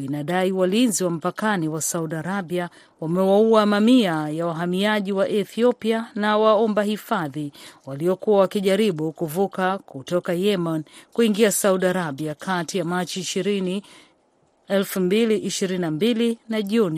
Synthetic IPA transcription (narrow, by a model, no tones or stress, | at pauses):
inaɗaiwalinziwam̩pakaniwasauɗaɾabia | wamɛwauamamiajawaɦamiaʄiwaʔɛθiɔpianawaɔmbahifaðiwaliɔkuawakiʄaɾiɓukuvukakutɔkajɛmankuiŋɡiasauɗaɾabiakʰatijamat͡ʃiːʃiɾini | ɛlfumbiliʔiʃiɾinambilinaʄuni